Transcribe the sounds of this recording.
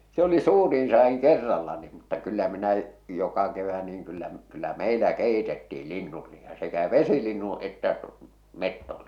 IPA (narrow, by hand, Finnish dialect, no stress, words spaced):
se oli suːriːn sɑːiŋ kerːɑlːɑ ni mutːɑ kylːæ minæ jokɑ keʋæ niːŋ kylːæ kylːæ meˑilæ keˑitetːiːl linːul lihɑ sekæ ʋesilinːũː etːæ metːol